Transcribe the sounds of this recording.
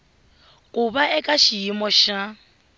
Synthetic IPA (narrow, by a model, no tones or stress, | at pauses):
kʼuβaʔɛkʼaʃijimɔʃa